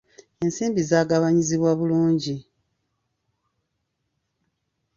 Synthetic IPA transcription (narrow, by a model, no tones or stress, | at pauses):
e̞nsiːmbizaːɡaβaɲiziβwaβuluːɲɟi